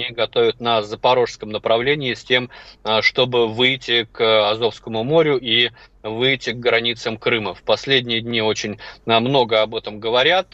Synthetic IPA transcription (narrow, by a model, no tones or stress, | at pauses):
nʲiɡɐt̪o̞vʲʊt̪nəzəpɐɾo̞ʂskəmnəpɾɐvlʲenʲɪɪsʲtʲe̞mʂt̪o̞bɨvɨjtʲːɪkɐzo̞fskəmʊmo̞ɾʲʊʔi | vɨjtʲːɪɡɡɾɐnʲit̪səmkɾɨməfpɐsʲlʲedʲnʲɪjəd̪ʲnʲio̞t͡ɕɪnʲəmno̞ɡəɐbɛt̪əmɡəvɐɾʲat̪̚